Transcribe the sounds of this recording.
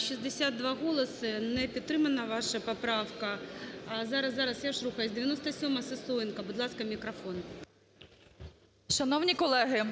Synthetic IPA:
ʃɕizd̪esʲad̪̚d̪ʋɑɣɔlˠɐsɨnɛpʲidt̪ːɾɪmɐnɐʋɑʃɐpɐpɾɑwkɐ | zɑɾɐsːɑɾɐsjaʂruxɐjɛzʲd̪eʋʲjɐnɔst̪ɐsʲɔmɐsɪsujɪnkɐbʊd̪lˠɑskɐmʲikɾɐfon | ʃɐnɔwnʲikɔlˠɛɦɪ

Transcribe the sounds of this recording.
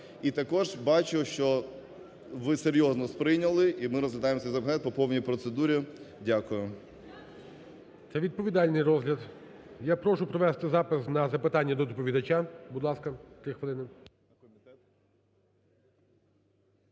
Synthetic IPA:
it̪ɐkɔʒbɑt͡ʃʊʃt͡ʃɔ | ʋɪseɾʲjɔznɔspɾɪjnʲɐlˠɪʔimɪɾɔzlʲɐd̪ɑjemɔsʲɛjzɐpnɛt̪̚pɔpɔwnʲijpɾɔt̪sed̪uɾʲidʲakʊjʊ | t̪sɛʋʲid̪̚pɔʋʲid̪ɑlʲnɪjrɔzɦlʲɐd̪ | japɾɔʃʊpɾɔʋɛst̪ɪzɑpɪsnɐzɐpɪt̪ɑnʲːɐd̪ɔd̪ɔpɔʋʲid̪ɐt͡ʃabʊd̪lˠɑskɐt̪ɾɪxʋelˠɪnɪ | kʲ | t̪ɛt̪

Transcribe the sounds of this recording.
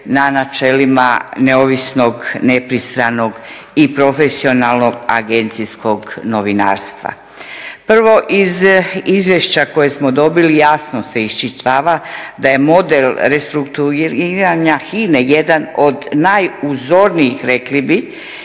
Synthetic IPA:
nanat͡ʃelima̰neoʋisno̞ɡnepɾist̪ɾano̞ɡipɾo̞fe̞sio̞nalˠno̞ɡa̰ɡe̞nt̪sisko̞ɡno̞ʋina̰ːɾst̪ʋa̰ | pr̩ʋo̞ʔizizʋjeʃt͡ɕako̞jesmod̪o̞bilijaːsnose̞ist͡ʃit̪ʋaʋad̪aje̞mo̞d̪elɾest̪ɾukt̪uiiɾaɲaxineje̞d̪anod̪najuzo̞ɾniixɾe̞klibi

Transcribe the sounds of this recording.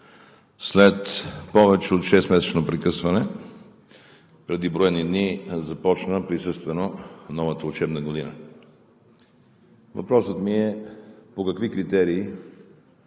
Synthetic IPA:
slɛt̪pɔvɛt͡ʃɛot̪ʃɛsmɛsɛt͡ʃnopɾɛkɤsvɐnɛ | pɾɛd̪ibɾɔjɛnid̪nizɐpɔt͡ʃnəpɾisɤst̪vɛnonɔvɐt̪əʊt͡ʃɛbnəɡod̪inə̰ | vɐ̰pɾɔsət̪miɛpokɐkvikɾit̪ɛɾiː

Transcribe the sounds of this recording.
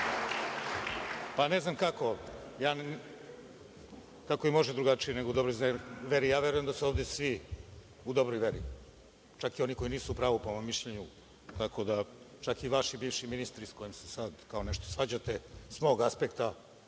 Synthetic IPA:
paneznamkako̞jaːn | kakoimo̞ʒɛd̪ɾuɡat͡ʃijene̞ɡoud̪obɾojzʋeɾijaːʋe̞ɾujemd̪asoːʋd̪esʋi | ud̪o̞bɾojʋeɾḭ | t͡ʃakio̞niko̞iniːsuːpɾaːʋupoommiʃʎeɲu | t̪ako̞d̪a | t͡ʃakiʋaʃibiːʋʃiminist̪ɾisko̞jimsesad̪kaoneʃt̪osʋad͡ʑat̪esmo̞ɡaspekt̪a

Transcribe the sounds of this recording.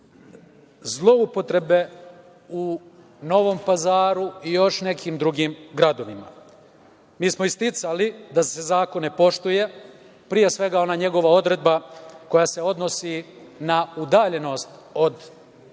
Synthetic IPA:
zlˠo̞upo̞t̪ɾe̞be̞ | u | no̞ʋo̞mpazaːɾuijo̞ʃne̞kʰiːmd̪ɾuɡiːmɡɾad̪o̞ʋima̰ | miːsmoist̪it̪salid̪ase̞zaːko̞nːe̞po̞ʃt̪uje̞ | pɾije̞sʋe̞ɡao̞naːɲe̞ɡo̞ʋao̞d̪ɾe̞d̪bako̞jaːse̞o̞d̪no̞sinaud̪aːʎe̞no̞st̪o̞d̪

